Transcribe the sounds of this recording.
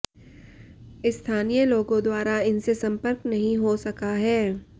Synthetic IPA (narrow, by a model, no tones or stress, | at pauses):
ɪst̪ʰaːnijəloːɡõd̪waːɾaɪnsesɐ̃mpəɾknɐɦĩɦosɐkaɦɛː